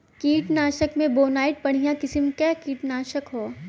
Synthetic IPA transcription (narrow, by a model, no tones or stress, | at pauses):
kiːʈnaːʃəkmẽboːnaːɪʈ̚pɐɽ̤ijãkɪsəmkɛːkiːʈnaːʃəkɦoː